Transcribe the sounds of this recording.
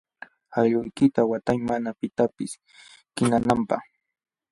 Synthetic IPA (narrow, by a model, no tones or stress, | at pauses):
aʎʊjkɪt̪awat̪ajmanapɪt̪apɪs | kɪnanampa̰χ